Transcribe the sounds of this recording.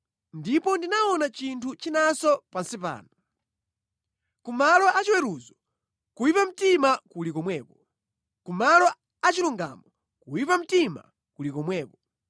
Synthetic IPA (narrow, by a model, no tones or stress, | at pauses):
ndipɔndinaɔnat͡ʃintʰut͡ʃinasɔpansipa̰ːna | kumalɔʔat͡ʃiwɛɾuzɔ | kuwipam̩timakulikɔmwɛːpɔ | kumalɔ | at͡ʃiluŋɡa̰mɔ | kuwipam̩tima̰ | kulikɔmwɛːpɔ